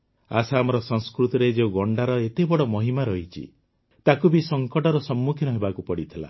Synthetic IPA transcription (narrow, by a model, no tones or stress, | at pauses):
asaːmɔɾɔsɔŋskɾut̪iɾed͡ʒeuɡɔɳɖaɾɔet̪ebɔɽɔmɔɦimaɾɔɦit͡ʃʰḭ | t̪akubisɔŋkɔʈɔɾɔsɔmːukʰjinɔɦebakupɔɽit̪ʰila̰